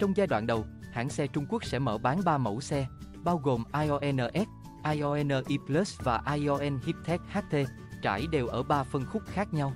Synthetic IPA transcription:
t͡ɕɔ˧wŋ͡mzaː˧jɗwa̰ː˧˨nɗə˨˩wha̰ː˧˥ŋsɛ˧t͡ɕʊ˧ŋ͡mku˦˥ək̚sɛ̰˧˥məː˧˩ɓaː˨˦nɓaː˧mə̰˧˩wsɛ˧ | ɓaː˧wɣo˨˩mʔaː˧jʔɔ˧ʔɛ˧nəː˧ʔɛ˦˥t̚ | ʔaː˧jʔɔ˧ʔɛ˧nəː˧ʔi˧plə˦˥svaː˨˩ʔaː˧jʔɔ˧ʔɛ˧nhi˦˥p̚t̪ʰɛ˦˥k̚haː˦˥k̚t̪ʰe˧ | t͡ɕa̰ː˧˩jɗe˨˩wʔəː˧˩ɓaː˧fə˧nxʊ˦˥k͡p̚xaː˦˥k̚ɲa˧w

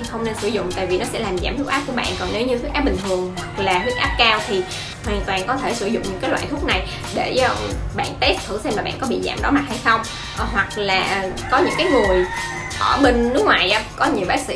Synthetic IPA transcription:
xə˧wŋ͡mne˧nsɨ˧˩zʊ̰˧˨ŋ͡mt̪a̰ː˧˨jvi˨˩nɔ˨˦sɛ̰˧˥laː˨˩mza̰ː˧˩mt̪ʰu˦˥k̚aː˦˥p̚ku˧˩əɓa̰ː˧˨nkɔ˨˩nne˨˦wɲɨ˧t̪ʰu˦˥k̚ʔ̚ːɓï˨˩ŋ̟t̪ʰɨ˨˩əŋɦwa˨˩k̚laː˨˩t̪ʰi˦˥k̚ʔaː˦˥p̚kaː˧wt̪ʰi˨˩ | hwaː˨˩nt̪waː˨nkɔ˨˦t̪ʰe˧˩sɨ˧˩zʊ̰˧˨ŋ͡mɲɨ̰˧˥kaː˨˦jlwa̰ː˧˨jt̪ʰʊ˦˥k̚na˨˩j | ɗe˧˩˧ɓa̰ː˧˨nt̪e˦˥t̚t̪ʰɨ˧˩sɛ˧mlaː˨˩ɓa̰ː˧˨nkɔ˨˦ɓḭ˧˨za̰ː˧˩mɗɔ˨˦ma˦˥t̚ha˧jsə˧wŋ͡m | ɦwa˨˩k̚laː˨˩ʔkɔ˨˦ɲɨ̰˧˥ŋkaː˨˦jŋɨ˨˩əj | ʔəː˧˩ɓe˧ŋ̟nɨ˦˥ək̚ŋwaː˨˩jʔaː˧˩kɔ˨˦ɲi˨˩əwɓaː˦˥k̚sḭ˧

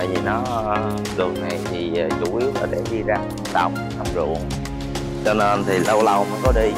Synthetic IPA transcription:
a˧˨jvi˨˩nɔ˨˦˧ | ɗɨ˨˩ək̚na˨˩jt̪ʰi˨˩˨t͡ɕu˧˩ʔi˨˦˥ət̚laː˨˩ɗe˧˩ɗi˧zaː˧ɗa˨˩wŋ͡m̚ʔ̪a˧mzṵ˧˨əŋ | t͡ɕɔ˧ne˧nt̪ʰi˨˩lə˧wlə˧˩wmə̰ː˧˦kɔ˨˦ɗi˧

